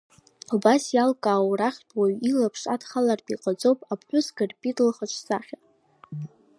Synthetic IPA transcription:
obasjalkʼaːwraχʲtʼwaɥilapʰʂadχalarpʼiqʼad͡zʼowpʼapʰħʷᶣʊsɡɨrpʼitʼlχat͡ʃʷʰsaχʲa

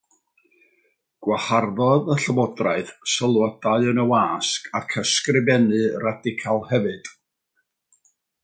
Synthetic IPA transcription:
ɡ̥waharðɔðəɬəvɔdraɨð̥səlˠɔd̥aɨənəwaːskʰakʰəskrɪbɛnɨradɪkʰalˠhɛvɨd̥

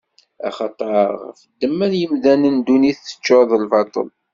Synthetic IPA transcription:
ɑ̰χɑt̪ˤːəɾəʁfəd̪ːəmːənjəmðænənd̪uniθːə̥t͡ʃːoðˤəlvɑt̪ˤə̰l

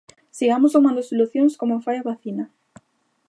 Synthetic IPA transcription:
siɣamosumɐnd̪esoluθjõŋskomofajaβaθinɐ

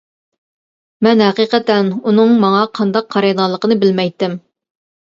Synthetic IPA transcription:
mɛnhɛqiqət̪ɛnunɨŋmɑŋɑqʰɑnd̪ɑqːʰɑɾɑjd̪ɑlˠːəqənɨbɪlmɛjt̪ːɪm

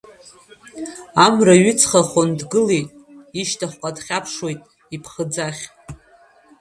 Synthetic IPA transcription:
amraɥʏt͡sʰχaχʷondɡɨlijtʼiʃtʰaχʷqʷʼadχʲapʰʂwo̞jtʼ | ipʰχəd͡zaχʲ

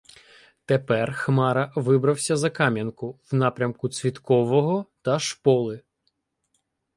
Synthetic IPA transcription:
t̪epɛrxmɑɾɐʋɪbɾɐwsʲɐzɐkɑmʲjɐnkʊwnɑpɾʲɐmkʊt͡sʲʋʲit̪kɔʋɔɦɔt̪ɐʃpɔlˠɪ

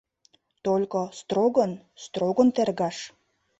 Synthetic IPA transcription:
t̪olʲkost̪ɾoɡən | st̪roɡənt̪erɡɑʃ

